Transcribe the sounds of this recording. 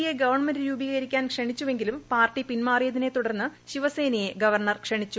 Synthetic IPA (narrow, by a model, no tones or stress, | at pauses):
jeɡɐʋɐrɳmɐndɨɾuːbiɣɐɐɾikʲːaːnkʂɐɳit͡ɕːuʋe̞ŋɡilumpaːrʈipinmaːrijɐðine̞t̪uɽɐrnːɨɕiʋɐse̞ːnɐje̞ɡɐʋɐrɳɐrkʂɐɳit͡ɕːu